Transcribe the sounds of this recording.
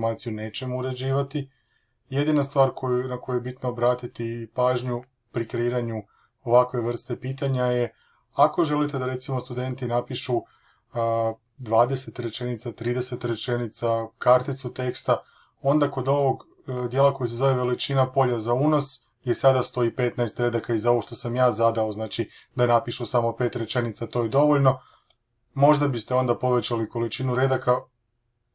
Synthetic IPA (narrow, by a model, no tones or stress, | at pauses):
maːt̪sijuneːt͡ɕe̞mouɾe̞d͡ʑiːʋat̪i | je̞d̪inast̪ʋaːɾkʰojunako̞jujebit̪noːbɾaːt̪it̪ipaːʒɲu | pɾikɾeiːɾaɲu | o̞ʋakʋe̞ʋr̩st̪e̞piːt̪aɲaje̞ | ako̞ʒe̞lit̪e̞d̪aɾe̞t̪simo̞st̪ud̪e̞nt̪inapiʃu | d̪ʋaːd̪ese̞t̪ɾe̞t͡ʃe̞nit̪sat̪ɾiːd̪e̞se̞t̪ɾe̞t͡ʃe̞nit̪sakaɾt̪it̪sut̪e̞kst̪a | o̞nd̪ako̞d̪o̞ʋo̞ɡ | d̪jeːlˠako̞js̬ezo̞ʋeʋe̞lit͡ʃinapo̞ʎazauːno̞s | jesad̪ast̪o̞ipe̞t̪naest̪ɾe̞d̪akaizao̞ʋoʃt̪o̞samjaːzad̪aoznaːt͡ʃid̪anapiʃusamo̞pe̞ːt̪ɾe̞t͡ʃe̞nit̪sat̪o̞ːjed̪o̞ʋoʎno̞ | mo̞ʒd̪abist̪eo̞nd̪apo̞ʋe̞t͡ɕaliko̞lit͡ʃinuɾe̞d̪aka